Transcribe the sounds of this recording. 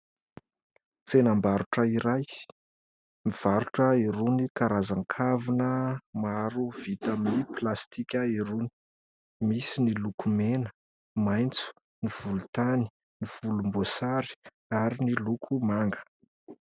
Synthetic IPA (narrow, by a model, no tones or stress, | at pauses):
t͡senambaɾuʈ͡ʂəiɾaj | miv̥aɾuʈ͡ʂəiɾunikaɾazaŋkʰavinəmaɾuv̥it̪aminiplast̪ikʲəiɾuni̥ | misinilukumenə̥ | majnt͡su̥ | niv̥ulut̪ani̥ | niv̥ulumbosaɾi̥ | aɾinilukʰumaŋɡə̥